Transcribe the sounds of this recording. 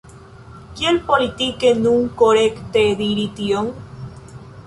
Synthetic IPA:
kjelpolit̪ikenũŋkoɾekt̪eðiɾit̪ioŋ

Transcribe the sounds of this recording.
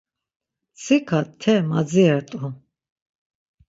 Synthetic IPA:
t͡sʰikʰat̪ʰɛmad͡ziɛɾt̪ʼu

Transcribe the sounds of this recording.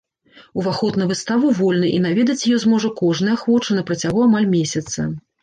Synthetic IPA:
uvaxɔt̪nɐvɨst̪avuvɔlʲnɨʔinavʲɛd̪ɐt͡sʲjajɔzmɔʐɐkɔʐnɨjɐxvɔt͡ʂɐnɐpɾɐt͡sʲaɣuamalʲmʲesʲɐt̪sɐ̰

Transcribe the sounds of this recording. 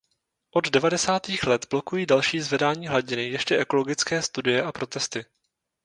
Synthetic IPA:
ʔo̞ddɛvadɛsaːt̪iːxlɛt̪b̥lo̞kujiːdalʃiːzvɛdaːɲiːɦlaɟɪnɪjɛʃcɛʔɛko̞lo̞ɡɪt͡skɛːst̪udɪjɛʔapɾo̞t̪ɛst̪ɪ

